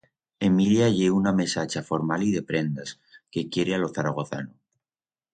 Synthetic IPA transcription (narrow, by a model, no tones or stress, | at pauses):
e̞miljaʝeuname̞sat͡ʃafo̞ɾmaliðe̞pɾe̞nd̪as | ke̞kje̞ɾealo̞θaɾaɣ̞o̞θa̰no